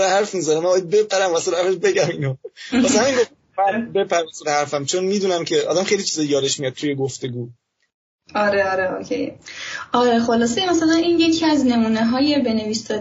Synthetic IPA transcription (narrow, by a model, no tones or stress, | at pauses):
ɾehæɾfmizæɾemæmbɒjæd̪̚bepʰæɾæmvæselhæɾfeʃbeɟæmiːnomæshæminɡo | æɾbe̞pʰæɾæselehæɾfæmt͡ʃʰonmiːd̪uːnæmcʰe̞ʔɒ̰ːd̪æmχejlit͡ʃʰizɒːjjɒːd̪eʃmijɒd̪̚t̪ʰujeɡoft̪e̞ɡuː | ɒːɾeɒːɾeo̰cʰḛjʔɒːɾexo̞lɒːs̬ejemæsælæniːnje̞cʰiæzne̞muːneɦɒːjebe̞ne̞viːsd̪ɒ